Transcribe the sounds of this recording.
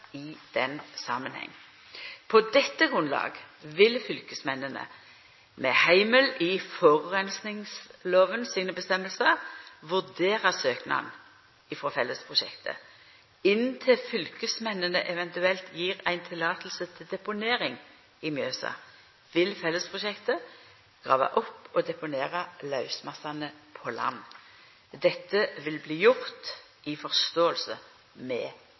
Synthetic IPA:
ɪd̪̥ɛnsɑːmənhɛ̰ŋː | pʰɔd̪ɛt̪ːəɡʁʉnlɑ̰ːɡʋɪlfʏlkəsmɛnənə̰ | mɛ̰ːhæɪməlʔɪfɔʁʁɛnsnɪŋsloːʋənsiːnəbəst̪ɛmːəlsəʋʉʁd̪eːʁəsøːknɑ̰n | ɪfɾɔfɛlːəspʰʁʊʃɛ̰kt̪ʰə̰ | ɪnt̪ʰɪlfʏlkəsmɛnːənəʔɛʋɛnt̪ʉɛlt̪ʰjiːʁæɪnt̪ʰɪlːɑːt̪lsət̪ʰɪld̪ɛpʊneːʁɪŋ | ɪmjøːsɑ̰ | ʋɪlfɛlːəspʰʁʊʃɛkt̪ə | ɡ̥ʁɑːʋɑ̰ʔɔpːɔd̪ɛpʊneːʁɑlɑʉsmɑsɑnəpʰɔlɑ̰nː | d̪ɛt̪ːəʋɪlbliːjʊʁt̪ | ɪfɔʁst̪oːəlsə | mɛ̰ː

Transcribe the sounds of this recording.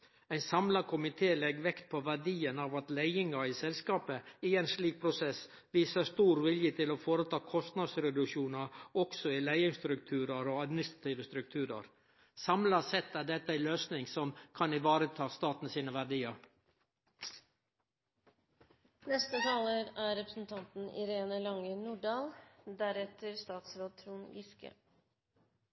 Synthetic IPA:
æɪnsɑmlɑkʰʊmɪt̪ʰeːlɛɡʋɛkt̪̚pʰɔʋæɖiːənɑːʋɑt̪læɪɪŋɑɪsɛlskɑːpəɪeːnsliːk̚pʰɾʊsɛs | ʋiːsəst̪uːɾʋɪljət̪ʰɪloːfoːɾət̪ʰɑːkʰɔst̪nɑd̪sɾɛd̪ʉʃuːnɑɾɔksɔɪlæɪəst̪ɾʉk̚t̪ʰʉːɾɑɾoːɑd̪mɪnɪst̪ɾɑt̪ʰiːʋəst̪ɾʉk̚t̪ʰʉːɾɑ̰ɾ | sɑmlɑsɛt̪ːæːɖɛt̪ːəæɪløːsnɪŋsɔmkʰɑnɪʋɑːɾət̪ʰɑːst̪ɑːt̪n̩siːnəʋæɖiːɑɾ | nɛst̪ət̪ʰɑːləɾæɾɛpɾəsn̩t̪ʰɑnt̪n̩ɪ̰ɾeːnəlɑŋənuːɖɑːld̪æɾɛt̪əɾst̪ɑːt̪sɾɑd̪̚t̪ʰɾuːnɡɪskə̰

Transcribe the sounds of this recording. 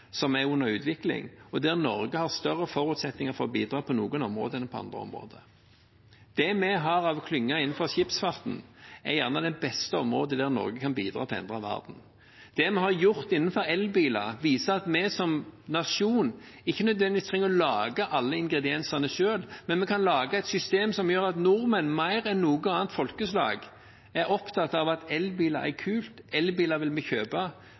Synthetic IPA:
sɔmæʉnːəɾʉːt̪ʋɪklɪ̰ŋɔd̪æʁnɔɾɡəhɑʁst̪œʁːəfɔɾʉːt̪sɛt̪nɪŋəɾfɔɾɔbiːd̪ɾɑːpʰɔnuːɡənɔmɾo̰ːd̪ənəpʰɔɑ̰nd̪ɾə̰ɔ̰mʁo̰ːd̪ə | d̪̥ɛmɛɦɑɾɑʋkʰlʏŋːɑɪnːn̩fɔʁʃɪpsfɑʁt̪n̩æjæʁnɑd̪ɛbɛst̪əɔmɾoːd̪əd̪æʁnɔ̰ɾɡəkʰɑnbiːd̪ɾɑ̰t̪ʰɪlɛ̰nd̪ʁɾɑʋæ̰ʁd̪n̩ | d̪̥ɛmɛhɑʁjʊʁt̪ɪnːnfɔɾɛlbiːlɑʋiːsəɑt̪mɛsɔmnɑʃuːnɪçːənœd̪ʋɛnd̪ɪist̪ʰʁɛŋəɾɔlɑːɡəʔɑlːəɪŋɡɾɛd̪ɪɛnsɑnəʃøːlmɛnmɛkʰɑnlɑːɡɑɛt̪sʏst̪eːmsɔmjøːɾɑt̪nʊɾmənmæɪɾɛnːuːɡəɑːnt̪fɔlkəslɑ̰ːɡ | æɾɔpt̪ʰɑt̪ːɑʋɑt̪ɛlbiːlɑ̰æ̰ʁkʰʉːlt̪ɛlbiːlɑʋɪlmɛçøːbɑ

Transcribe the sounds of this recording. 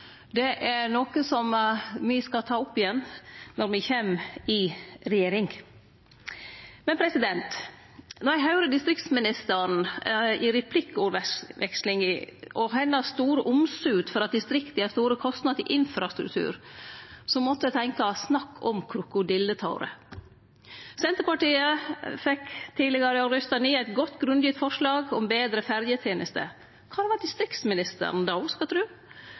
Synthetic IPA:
d̪ɛʔæɾnoːkəsɔmʋɪskɑt̪ʰɑːʊpːɪjɛnːnɔɾmɪçeːmɪɾɛjeːɾɪŋ | mɛnpʰɾɛsɪd̪ɛnt̪ | nɔɾjæɪɦɑʉɾəd̪ɪst̪ɾɪk̚t̪smɪnɪst̪ən̩ɪɾɛpʰlɪkːʊɾɛʋɛkslɪŋəʔɔɦɛnːəst̪uːɾəʔʊmsʉːt̪fɔɾɑt̪̚d̪ɪst̪ɾɪkt̪ɪɛst̪uːɾəkʰɔst̪nɑd̪ɪ̰ʔɪnfɾɑst̪ɾʉ̰k̚t̪ʰʉ̰ːɾ | sɔmmɔt̪ːəət̪ʰɛŋkɑsnɑkːʰɔmkʰɾʊkʊd̪ɪlːət̪ʰɑʊɾə̰ | sɛnt̪əɾpɑʈiːəfɛkt̪ʰiːlɪɡɑɾəɑɾʏst̪ɑniːæɪt̪ɡɔt̪ːɡɾʉnd̪jʏːt̪fɔʂlɑːɡɔmbeːd̪ɾəfæɾjət̪ʰjeːnʔəst̪ə̰ | kʰɑːd̪ɛʋɑd̪ɪst̪ɾɪkt̪smɪnɪst̪ə̰ɾn̩d̪ɑskɑt̪ʰɾʉ

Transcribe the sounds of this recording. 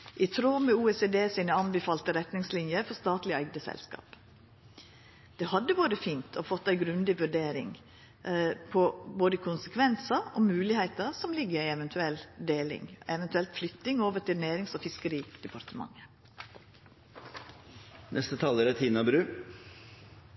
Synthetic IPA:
ʔɪt̪ʰɾoːmɛuːɛseːd̪eːsiːnəɑnbəfɑːlt̪əɾɛt̪nɪŋslɪnjəɾfɔst̪ɑːt̪lɪæɪɡd̪əsɛ̰lskɑ̰ːp | d̪̥ɛːhɑd̪ːəʋuːɾəfiːnt̪ʰɔfɔt̪ːæɪɡɾʉnd̪ɪʋʉɖeːɾɪ̰ŋ | pʰɔboːd̪əkʰʊnsəkʰʋɛnsəɔmʉːlɪheɪt̪əsɔmlɪɡːəɾɪɛʋɛnt̪ʰʉɛld̪eːlɪ̰ŋɛʋɛnt̪ʉɛlt̪flʏt̪ɪŋoːʋəʈɪlnæːɾɪŋsɔfɪskəɾiːd̪̥ɛpʰɑɾt̪əmɑ̰ŋːə | nʔɛst̪ət̪ʰɑːləɾɛt̪ʰiːnɑbɾʉː

